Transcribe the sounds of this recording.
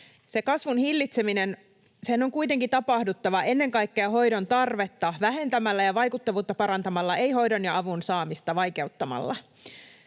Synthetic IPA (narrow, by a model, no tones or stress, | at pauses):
se̞kɑsʋunhilːit̪se̞minen | senːoŋkujt̪e̞ŋkit̪ɑpɑhdut̪ːɑʋɑʔe̞nːe̞ŋkɑjkːeɑɦo̞jdo̞nt̪ɑrʋe̞t̪ːɑʋæɦe̞nt̪æmælːæjɑʋɑjkut̪ːɑʋuːt̪ːɑpɑɾɑnt̪ɑmɑlːɑʔe̞jɦo̞jdo̞njɑɑʋunsɑːmist̪ɑʋɑjke̞ut̪ːɑmɑ̰lːɑ̰